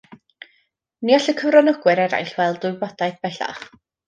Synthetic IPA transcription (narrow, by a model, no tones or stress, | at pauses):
niɔɬəkʰəvrɔnɔɡwɨɾɛɾa̰jɬvɛlˠdʊbɔd̥ajθb̥ɛɬa̰χ